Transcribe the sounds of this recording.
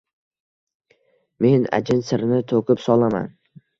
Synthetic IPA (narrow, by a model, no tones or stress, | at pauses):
me̞na̰d͡ʒɪnsɪɾnɪt̪ʰokɪpsɒlˠama̰n